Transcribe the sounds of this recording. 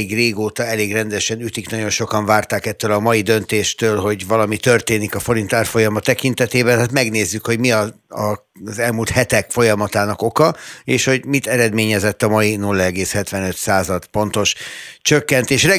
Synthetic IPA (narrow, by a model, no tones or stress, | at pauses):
ɡreːɡoːt̪ɒɛleːɡrɛnd̪ɛʃɛnyt̪iknɒɟo̞nʃo̞kɒɱvaːrt̪aːkɛt̪ːølɒmɒjid̪ø̞nt̪eːʃt̪øːlɦo̞ɟvɒlɒmit̪ørt̪eːnikɒfo̞ɾint̪aːrfo̞jɒmɒt̪ːɛkint̪ɛt̪eːbɛnɦaːt̪mɛɡneːzːykho̞ɟmiɒɒ | zɛlmuːlt̪hɛt̪ɛkfo̞jɒmɒt̪aːnɒko̞kɒeːʃho̞ɟmit̪ɛɾɛd̪meːɲɛzɛt̪ːɒmɒjinulːɛɛɡeːshɛt̪ʋɛnøt̪saːzɒt̪po̞n̪t̪o̞ʃt͡ʃøkːɛnt̪eːʃrɛ